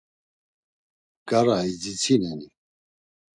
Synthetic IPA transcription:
ɡ̥aɾaid͡zit͡sʰinɛni

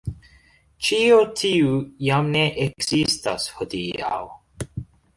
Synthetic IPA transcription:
t͡ʃiotʰiujamne̞ʔekz̥ista̰shodia̰w

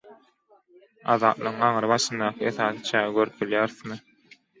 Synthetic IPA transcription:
ɑ̰ðɑːt̪lˠɯʁɯŋɑŋɾɯβɑʃɯnd̪ɑːqʰɯe̞θɑːθɯt͡ʃʰæːɣeɡøɾyp̚biljæːɾθmɯ

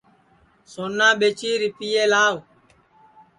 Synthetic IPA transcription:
sonːaːɓet͡ʃiːɾipijelaːwu

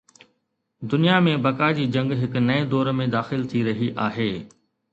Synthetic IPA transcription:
d̪ʊnijamẽbɐkad͡ʑiːd͡ʑɐ̃ŋɡɦɪknɐẽd̪ɔːɾmẽd̪aːxɪlt̪ʰiɾɐɦiʔaːɦeː

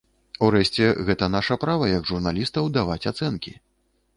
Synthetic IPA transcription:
uɾɛɕʲt͡sʲɛɣɛt̪ɐnaʂɐpɾavɐjɐɡʐurnalʲist̪ɐwd̪avat͡sʲat̪sɛnkʲi

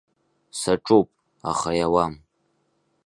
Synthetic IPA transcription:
saʈ͡ʂʼupʼ | a̰χajawam

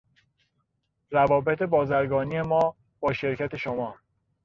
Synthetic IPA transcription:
ɾævɒːbe̞t̪ʰe̞bɒːzæɾɡɒːnije̞mɒː | b̥ɒːʃe̞ɾcʰæt̪ʰe̞ʃomɒː

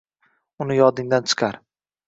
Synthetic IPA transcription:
ʊnɪjɒd̪ɪŋd̪ant͡ʃʰɨ̥qʰɑɾ

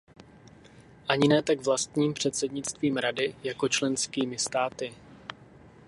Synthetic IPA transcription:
ʔaɲɪnɛːt̪aɡvlast̪ɲiːmpr̝̥ɛt̪sɛdɲɪt͡st̪viːmɾadɪjako̞t͡ʃlɛnskiːmɪst̪aːt̪ɪ

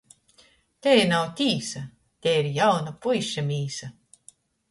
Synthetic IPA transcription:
t̪ʲɛjnawt̪ʲiːsa | t̪ʲɛiɾjawnapujʃamʲiːsa

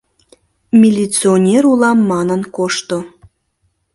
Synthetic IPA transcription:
mʲilʲit͡sionʲeɾulɑmːɑnənkoʃt̪o

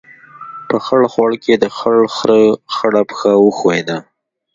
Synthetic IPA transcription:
pəxəɽxwaɽkʰed̪əxəɽxɾəxaɽapxawəxwed̪a

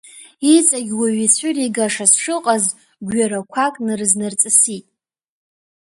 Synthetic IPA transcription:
it͡sʼaɡʲwaɥit͡sʷʰʊriɡaʂasʂɨqʼaz | ɡʷɥaɾakʷʰakʼnɨrɨznɨrt͡sʼɨsitʼ

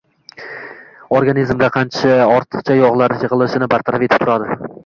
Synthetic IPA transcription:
oɾɡanizmd̪aqʰɑnt͡ʃʰaɒɾt̪ʰɨ̥qt͡ʃʰajɒʁlˠaɾjɨʁɨlˠɪʃɪnɪbaɾt̪ʰaɾafe̞t̪ɪ̥p̚t̪ʰʊɾad̪ɪ

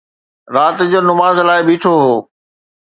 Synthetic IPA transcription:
ɾaːt̪d͡ʑoːnʊmaːzlaːɪbiːʈʰoɦoː

